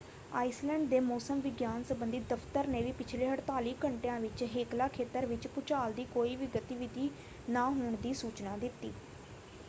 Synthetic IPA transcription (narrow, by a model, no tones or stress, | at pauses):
aːislɛ̃ːɳɖd̪eːmoːsəmʋɪɡjaːnsəbənd̪iːd̪əft̪əɾneːʋiːpɪt͡ʃʰleːɦəʈt̪aːliːkəɳʈejãːʋɪt͡ʃɦeːklaːkʰeːt̪əɾʋɪt͡ʃpʊt͡ʃaːld̪iːkoːiːʋiɡət̪iʋɪd̪ʱiː | naːɦoːɳd̪iːsuːt͡ʃnaːd̪ɪt̪ːḭː